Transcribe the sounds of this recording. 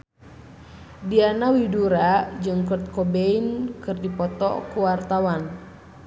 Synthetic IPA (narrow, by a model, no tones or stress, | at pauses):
dianawiduɾad͡ʒɨŋkɔt̪̚kɔbeinkɨrdipɔt̪ɔ̰kuwart̪awan